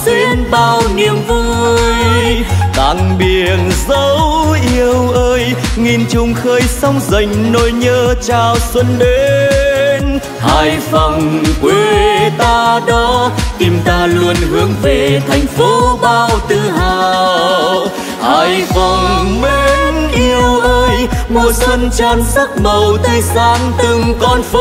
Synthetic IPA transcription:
ze˧nɓaː˧wwni˨˧˩əmvu˧jt̪a̰˧˨˩ŋɓi˨˧˩ənzə˨˦wʔi˧əwʔəː˧jŋi˧˩nt͡ɕʊ˧ŋ͡mxəː˧jsa˧wŋ͡mzə˧˩jŋ̟no˧˨˩jɲəː˧t͡ɕaː˧˩wswə˧nɗe˨˦ | n | haː˧˩jfa˨˩wŋ͡mkwe˧˩t̪aː˧ɗɔ˨˧˦ki˨˧˩mt̪aː˧lu˧ənhɨ˨˦əŋve˨˩t̪ʰa˨˩jŋ̟fo˨˦ɓaː˧wt̪ɨ˧˩haː˨˩ | haː˧˩jfɔ˨˩wŋ͡mme˧˦nʔi˧əwʔəː˧jmo˨˩t̚swə˧nt͡ɕaː˧nzə˦˥t̚mə˨˩wt̪əː˧jzaː˨˦ŋt̪ɨ˧ŋkɔ˧nf

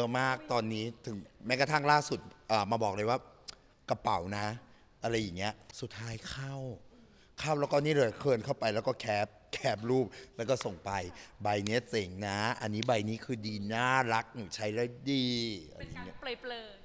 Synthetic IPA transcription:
maː˥˩k̚t̪ɔː˧nːiː˦˥t̪ʰɯ˩˦ŋmɛ˦˥ka˧t̪ʰa˥˩ŋlaː˥˩su˨˩t̪̚ʔɤː˨˩maː˧bɔː˨˩k̚lɤː˧jwaː˥˩ | ka˧pa˨˩˦wna˦˥ | ʔa˧ɾa˧jːa˨˩ŋːi˦˥ɐsu˨˩t̪ʰːaː˦˥jkʰa˥˩w | kʰa˥˩wlɛː˦˥wkɔ˥˩niː˦˥˩ɾɯː˧˩kʰɤː˧nkʰa˥˩wpa˧jlɛː˦˥wkɔː˥˩kʰɛː˦˥p̚kʰɛː˦˥p̚ɾuː˥˩p̚lɛ˦˥wkɔː˥˩so˨˩ŋpa˧jba˧jni˦˥ɐ˩se˨˩˦ŋna˦˥ʔa˧nːiː˦˥ba˧jniː˦˥kʰɯː˧diː˧naː˥˩ɾa˦˥k̚nuː˩˦t͡ɕʰa˦˥jlɤ˧˥˩diː˧ʔa̰˧ɾa˦jːa˨˩ŋi˦˥ɐplɤː˧˩plɤː˧˩

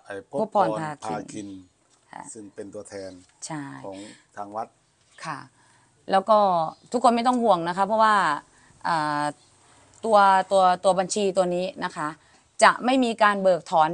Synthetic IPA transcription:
ʔʰo˦˥pʰːɔː˧np̪ʰaː˧kʰḭː˧nkʰi˧nʰ | a̰˧sɯ˥˩ŋpe˧nt̪u˧ɐt̪ʰɛː˧n | t͡ɕʰa˥˩jɔː˦ŋt̪ʰaː˧ŋwa˦˥t̪̚ | kʰa˥˩ | lɛː˦˥wkɔː˥˩t̪ʰu˦˥kʰːo˧nma˥˩jt̪ɔ˥˩ŋhu˨˩əŋna˦˥kʰa˦˥pʰɔ˦˥waː˥˩ | ʔaː˨˩ | t̪u˧ɐt̪u˧ɐt̪u˧ɐba˧nt͡ɕʰiː˧t̪u˧ɐniː˦˥na˦˥kʰa˦˥ʔ | t͡ɕa˨˩ʔma˥˩jmiː˧kaː˧nbɤː˨˩k̚t̪ʰɔː˩˦n

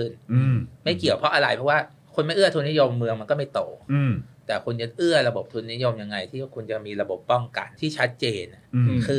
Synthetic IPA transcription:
kʰɯ˥˩n˧ma˥˩jki˨˩əwpʰɾɔ˦˥ʔa˧ɾa˧jpʰɔ˦˥waː˥˩ | kʰo˧nma˥˩jʔɯ˥˩ɐt̪ʰuː˧nːi˦˥˦jo˧mːɯ˧əŋma˧nkɔː˥˩ma˥˩jt̪oː˨˩˧t̪ɛː˨˩kʰu˧nt͡ɕa˨˩ʔɯ˥˩ɐɾa˧bo˨˩p̚t̪ʰuː˧nːi˦˥jo˧mja˧ŋːa˧jt̪ʰiː˥˩˥kʰu˧nt͡ɕa˨˩miː˧ɾa˧bo˨˩pːɔ˥˩ŋka̰˧nt̪ʰiː˥˩t͡ɕʰa˦˥t̪̚t͡ɕeː˧n˩kʰɯː˧

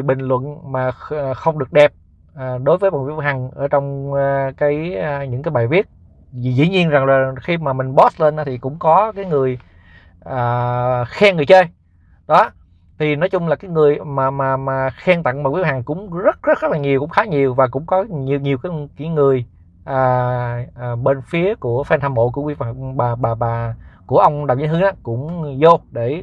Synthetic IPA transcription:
jɓï˨˩ŋ̟lwə̰˧˨nmaː˨˩˨xə˧wŋ͡mɗɨ˨˩ək̚ɗɛ˨˩p̚ː | ɗo˨˦jvəː˨˦jɓə̰˨wi˧˦˥ha˨˩ŋʔəː˧˩t͡ɕɔ˧wŋ͡mkaː˨˦jɲɨ̰˧˥ŋkaː˨˦jɓaː˨˩jvi˦˥ət̚ | i˨˩zḭ˧˥ɲi˧ənza˨˩ŋzaː˨˩xi˧maː˨˩mï˨˩ŋ̟ɓɔ˦˥sle˧nʔaː˨˦t̪ʰi˨˩kʊ̰˧˥ŋ͡mkɔ˨˦kaː˨˦jŋɨ˨˩əj | ʔəː˨˩xɛ˧ŋɨ˨˩jt͡ɕə˧j | ɗɔ˨˦ | t̪ʰi˨˩nɔ˨˦jt͡ɕʊ˧ŋ͡mlaː˨˩kaː˨˦jŋɨ˨˩əjmaː˨˩maː˨˩maː˨˩xɛ˧ŋt̪a̰˧˨ŋmaː˨˩kwhɦaː˨˩ŋkʊ̰˧˥ŋ͡mzə˦˥t̚zə˦˥t̚zə˦˥t̚laː˨˩ɲi˨˩wkʊ̰˧˥ŋ͡mxaː˨˦ɲi˨˩əwvaː˨˩kʊ̰˧˥ŋ͡mkɔ˨˦ɲi˨˩wɲi˨˩əwkaː˨˦jkaː˨˦jŋɨ˨˩əj | ʔəː˨˩˨ | ɓe˧nfi˨˦əku˧˩əfɛː˧nt̪ʰaː˧mo̰˧˨ku˧˩˦wi˧˦˨ɓaː˨˩ɓaː˨˩ɓaː˨˩ku˧˩əʔə˧wŋ͡mɗa˨˩wzə̰˧˦nhɨ˨˦nʔaː˨˦kʊ̰˧˥ŋ͡mzo˧ɗe˧˩˨

